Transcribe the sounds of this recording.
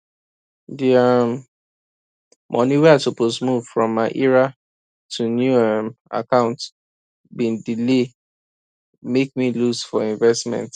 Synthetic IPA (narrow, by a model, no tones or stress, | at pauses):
diam | mʔɔ̰̃niwɛatupos̬muv̥fɹɔ̃mːaɪʔiɹa | tʰunjuama̰kãʊ̃nt | bĩndile | mek̚milusfɔĩɱvɛstmɛ̰̃nt